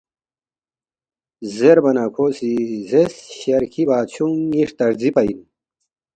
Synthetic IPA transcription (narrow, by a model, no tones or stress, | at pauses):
zeɾbɐnakʰoːsizesɕɐɾkʰibaːɕʰuŋiʂt̪ɐɾd͡zipɐin